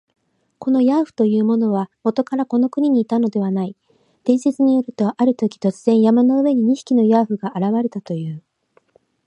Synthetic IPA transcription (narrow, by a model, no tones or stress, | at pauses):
ko̞no̞jaːɸɯ̟̥t̪o̞jɯ̟ːmo̞no̞β̞amo̞t̪o̞kaɾako̞no̞kɯ̟ɲ̟iɲ̟iːt̪ano̞d̪e̞βanai | d̪̥ẽ̞ɰ̃ɕe̞t͡sɨɲ̟ijo̞ɾɯ̟t̪o̞ʔaɾɯ̟t̪o̞kʲi̥t̪o̞t͡sɨz̥ẽ̞ɰ̃jamano̞ɯ̟βe̞ɲ̟iɲ̟iɕi̥kʲino̞jaːɸɯ̟ɡaʔaɾaβaɾe̞t̪at̪o̞jɯ̟ː